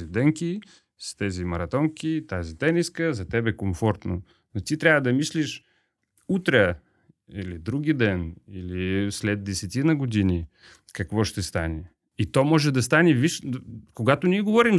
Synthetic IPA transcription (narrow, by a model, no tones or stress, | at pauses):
zid̪ɛŋkʲi | st̪ɛzimɐɾɐt̪ɔŋkit̪azit̪ɛniskəzɐt̪ɛbɛkoɱfɔɾt̪no | not̪it̪ɾʲavəd̪ɐmisliʃ | ut̪ɾɛ | ilid̪ɾuɡʲid̪ɛnilislɛt̪̚d̪ɛsɛt̪inɐɡod̪ini | kɐkvɔʃt̪ɛst̪anɛ | it̪ɔmɔʒɛd̪ɐst̪anɛviʃkoɡat̪onʲiɛɡovɔɾim